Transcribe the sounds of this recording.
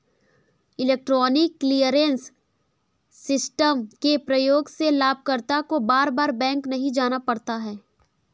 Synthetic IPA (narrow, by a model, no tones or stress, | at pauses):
ɪleːk̚ʈɾɔːnɪkːlijəɾẽns | ɪsʈəmkepɾɐjoːɡselaːb̚ʱkəɾt̪akobaːɾbaːɾbɛ̃ːŋknɐɦĩd͡ʒaːnapɐɽt̪aɦɛː